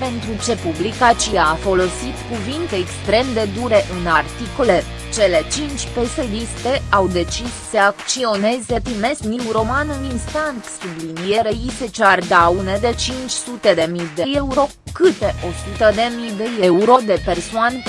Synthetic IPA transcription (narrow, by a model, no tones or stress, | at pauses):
pe̞nt̪ɾut͡ʃe̞publikat͡ʃiaːfo̞lo̞sit̪kuvint̪e̞ːkst̪ɾe̞md̪e̞d̪uɾe̞ʔɨnart̪ikole̞ | t͡ʃe̞le̞t͡ʃint͡ʃʲpe̞sed̪ist̪e̞awd̪e̞t͡ʃisːəakt͡ʃio̞ne̞ze̞p̪ɾime̞sniwuɾo̞manɨninst̪ank̪sublinijeɾeiset͡ʃard̪aune̞d̪e̞t͡ʃint͡ʃʲsut̪e̞d̪e̞mid̪e̞je̞uɾo̞ | kɨt̪e̞ʔo̞sut̪əd̪e̞mid̪e̞jeuɾo̞d̪e̞pe̞rsoanʲ